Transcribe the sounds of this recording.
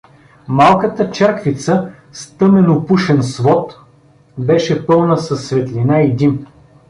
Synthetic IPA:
malˠkət̪ət͡ʃɛɾkvit̪sə | st̪ɤmɛnopuʃɛnsvɔt̪ | bɛʃɛpɤlˠnəsɐsːvɛt̪linaid̪im

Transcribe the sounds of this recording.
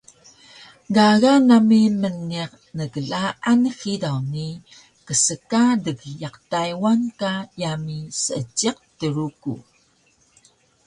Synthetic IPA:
ɡaɣanamimənːiq | nəɡəɮaʔanxidawni | kəsəkadəɡjaqtajwankajamisəəd͡ʒiq̚təɾukṵ

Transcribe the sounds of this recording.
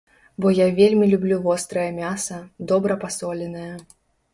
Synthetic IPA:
bɔjavʲelʲmʲilʲublʲuvɔst̪ɾɐjɐmʲasɐd̪ɔbɾɐpasɔlʲɛnɐjɐ

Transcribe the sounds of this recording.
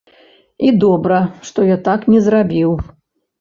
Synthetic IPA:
id̪ɔbɾɐʂt̪ɔjat̪aknʲɛzrabʲiw

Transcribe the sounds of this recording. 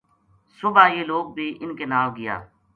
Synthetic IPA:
sʊbʱaːjeːloːɡ̚bʱiːʔɪnkeːnaːʋɡɪja̰ː

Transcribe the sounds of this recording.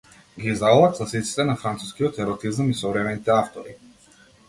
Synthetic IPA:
ɡiːzalˠat̪zasit̪t̪si̥t̪ɛnafɾant̪su̥skijɔt̪ɛɾɔt̪izamisɔvɾɛmɛnit̪ɛaft̪ɔɾi

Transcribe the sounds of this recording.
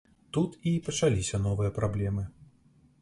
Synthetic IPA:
t̪ut̪ipɐt͡ʂalʲisʲɐn̪ɔvɨjɐpɾablʲɛmɨ

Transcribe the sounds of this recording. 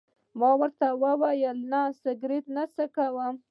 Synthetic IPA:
mɑwəɾt̪awəwajəlnasəɡɾɪt̪nasəkawəm

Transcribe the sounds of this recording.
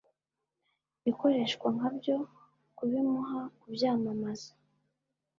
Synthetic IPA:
iko̞ɾe̞ːʃkwaŋ̥abjo̞ | kuβimuɦakubjaːmamazḁ

